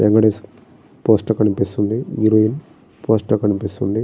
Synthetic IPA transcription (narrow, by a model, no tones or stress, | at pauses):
beŋɡlɐɖeːs | poːsʈɐkɐnipist̪und̪iiɾoin | poːsʈɐkɐnipist̪und̪i